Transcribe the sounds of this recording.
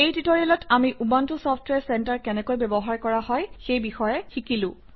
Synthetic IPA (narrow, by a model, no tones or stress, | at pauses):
ejtitɔɹiɛlɔtʰamiʔubantusɔpʰtwɛɹsɛntaɹkɛnɛkojbɛbɔɦaɹkɔɹaɦɔjxejbixɔjɛxikilʊ̃